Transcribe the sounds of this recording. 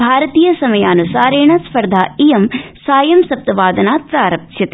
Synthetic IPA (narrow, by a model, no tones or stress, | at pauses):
bʱaːɾɐt̪iːjɐsɐmɐjaːnusaːɾeːɳɐspɐɾd̪ʱaːijɐmsaːjɐmsɐp̚t̪ɐʋaːd̪ɐnaːt̪̚saːɾɐp̚ʃjɐt̪